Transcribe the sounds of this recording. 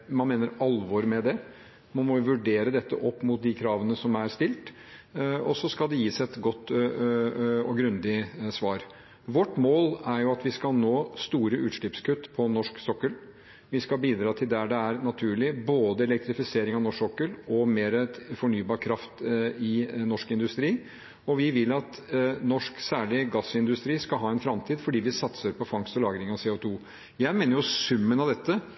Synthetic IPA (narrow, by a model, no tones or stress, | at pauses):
mɑnmeːnəɾɑlʋɔɾmɛd̪ɛ | mɑnmɔʋʉɖeːɾəd̪ɛt̪ːəʔɔpːmʊt̪̚d̪ɪkʰɾɑːʋənəsɔmæɾst̪ɪlt̪ | ɔsːɔskɑld̪ɛjiːsɛt̪ɡɔt̪ː | ɔɡɾʉnd̪ɪsʋɑːɾ | ʋɔʈːmoːlæɾjʊɑt̪ʋɪskɑlnoːst̪uːɾəʔʉ̰ːt̪ʂɭɪːpskʰʉt̪ːpʰɔnɔʂksɔkːəl | ʋɪskɑlbiːd̪ɾɑːt̪ʰɪld̪æɖɛæɾnɑt̪ʰʉːɭɪboːd̪əɛlɛk̚t̪ɾɪfɪseːɾɪŋɑʋnɔʂɔkːəlɔmeːɾəfɔɳyːbɑːɾkʰɾɑft̪ɪnɔʂkɪnd̪ʉst̪ɾiː | ɔʋɪʋɪlɑt̪ | nɔʂksæːɭɪɡɑsɪnd̪ʉst̪ɾiːskɑlɦɑːɛnfɾɑmt̪ʰiːd̪fɔɖiːʋɪsɑt̪səɾpʰɔfɑŋst̪ɔlɑːɡɾɪŋɑseːoːt̪ʰuː | jæɪmeːnəjʊsʉmːənɑʋd̪ɛt̪ːə